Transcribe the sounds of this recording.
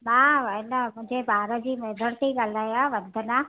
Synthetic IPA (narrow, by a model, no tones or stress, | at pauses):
mãːɪnəmʊ̃ɦɪ̃ɲd͡ʑebaːɾəd͡ʑiːmeːd̪ʱəɽt̪eiɠaːlaːjãʋɐd̪ʱənãː